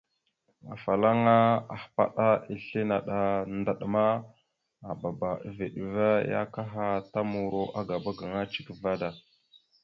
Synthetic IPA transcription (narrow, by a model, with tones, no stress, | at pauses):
a̰˨fa˨la˦ŋa˦a̰˨hpa̰˦ɗa˦i˨ɬe˦na˨ɗa˨nda˨ɗma˦ | a˨ba˨ba˨ve˨ɗə˨va˦ja̰˦ka˦ɦa˦ta˦mu˨ɾo˨ʔa˦ɡa˨ba˦ɡa˨ŋa˦t͡ʃi̥˨kva˦da˨